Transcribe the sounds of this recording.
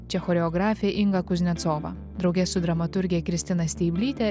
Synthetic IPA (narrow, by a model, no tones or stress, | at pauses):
t͡ʃʲɛxɔːɾʲɛɔɡɾɑːfʲɪɛʔɪŋɡɐkʊzʲnʲɛt̪soːʋɐ̰ː | d̪ɾɒʊɡʲɛsʊd̪ɾɐmɐt̪ʊɾʲɡʲɛkɾʲɪst̪ʲɪnɐsʲt̪ʲɛɪbʲlʲiːt̪ʲɛ